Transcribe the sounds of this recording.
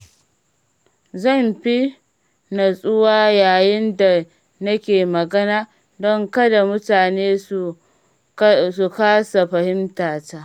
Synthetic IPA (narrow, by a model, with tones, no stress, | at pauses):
zɐ˦˨mɸi˦ | na˨sʼʊ˦waː˦jaː˨jɪ˦nda˨ | nɐ˦kʲeː˨mɐ˨ɡɐ˦naː˦ | dɔ˦ŋkɐ˦da˨mʊ˦taː˨neː˦su˨ | su˨kaː˦sa˨ɸɐ˨hɪ˦mtaː˨taː˦